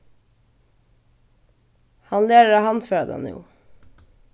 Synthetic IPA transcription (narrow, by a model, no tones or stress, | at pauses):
hɑnleːɾəɾɑhɑnføːɑd̪ɛ̰njṵː